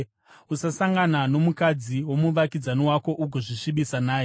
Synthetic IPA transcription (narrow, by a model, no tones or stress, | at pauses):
usasaŋɡanano̞mukad͡ziwo̞muʋakid͡zaniwako̞ʔuɡʱoʐiʃiɓisanaːje